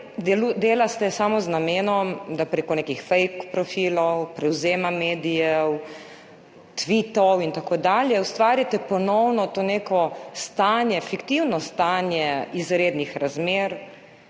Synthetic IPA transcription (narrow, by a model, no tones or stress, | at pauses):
d̪ɛlud̪eːlast̪ɛsamɔznameːnɔmd̪apɾeːkɔnekixfɛjkpɾɔfilɔwpɾɛwzeːmameːd̪ijɛw | t̪ʋit̪ɔwint̪akoːd̪aːljɛust̪ʋaːɾjat̪ɛpɔnɔwnɔt̪oːneːkɔst̪anjɛfikt̪iwnɔst̪anjɛizɾeːd̪nixɾazmeːɾ